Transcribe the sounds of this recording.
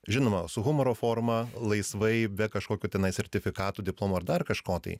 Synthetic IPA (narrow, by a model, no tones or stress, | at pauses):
ʒʲɪnoːmɐsʊɣʊmoɾoːfoːrmɐlˠɐɪsʋɐɪbʲɛkɐʃkoːkʲuːt̪ʲɛnɐɪsʲɛrʲt̪ʲɪfʲɪkɑːt̪uːd̪ʲɪplˠoːmoːɐɾd̪ɐrkɐʃkoːt̪ɐ̰ɪ